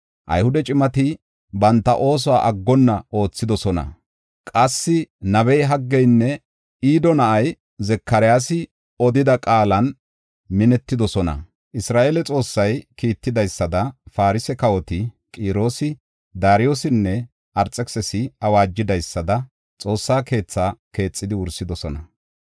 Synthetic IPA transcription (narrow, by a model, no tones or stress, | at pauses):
ʔɐ̰jhʊd̪ɛt͡ʃʼɪmɐt̪ɪ | bɐnt̪ːɐ̰ʔo̞ːs̬ɔwaːʔɐɡːɔnːɐo̞ːt͡sːɪd̪ɔsɔnɐ̰ | kʼɐsːɪnɐbɛjɦɐɡːɛjnːɛ | iːd̪ɔnɐʔɐj | zɛkːɐɾɪjaːsɪ | ɔd̪ɪd̪ɐkʼaːlɐn | mɪnɛt̪ːɪd̪ɔsɔnɐ̰ | ʔɪsɾaːʔeːlɛt͡sʼo̞ːsːɐjkiːt̪ːɪd̪ɐjsːɐd̪ɐfaːɾɪsɛkɐwɔt̪ɪ | kʼiːɾo̞ːsɪ | d̪aːɾɪjoːsɪnːɛ | ʔɐɾt͡sʼːɛksɛsɪɐwaːd͡ʒːɪd̪ɐjsːɐd̪ɐ | t͡sʼo̞ːsːaːke̞ːt͡sːaːke̞ːt͡sʼːɪd̪ɪʊɾsɪd̪ɔsɔnɐ